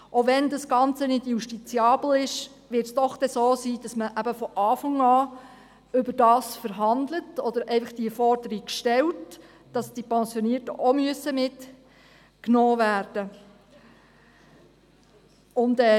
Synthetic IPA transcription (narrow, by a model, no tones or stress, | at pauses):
ʔoʋɛndɑsɡ̥ɑnt͡sənɪdjuʃtit͡sjɑːbl̩ɪʃ | ʋɪɾtsd̥ɔχd̥ɛsoːsiːd̥ɑsməʔæb̥əfɔʔɑːfɑŋɑː | ʏbəɾdɑːsfəɾɦɑnd̪lətɔd̥̪əɾɛɪfɑχd̥iəfɔrdəɾikʃtɛlt | d̥ɑsd̥ipɛnsjɔniəɾtəʔomyəsəmɪt | knɔːʋæːrd̥ə | ʊndɛː